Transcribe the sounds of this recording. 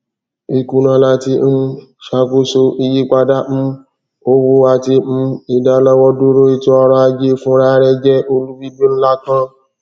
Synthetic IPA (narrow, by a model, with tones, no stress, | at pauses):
i˧ku˧nã˧la˧ti˧˦m̩˦ | ʃa˧ko˦so˧i˧ji˦k͡pa˧da˦m̩˦ | o˦wo˧a˨ti˧m̩˦i˨da˨˦lɔ˦wɔ˦do˦ɾo˦i˧tu˦ɔ˧ɾɔ˧a˧d͡ʒe˦fũ˦ɾa˦ɾɛ˦d͡ʒɛ˦ʔo˦lu˦bi˦bi˦n̩˦la˦kã˦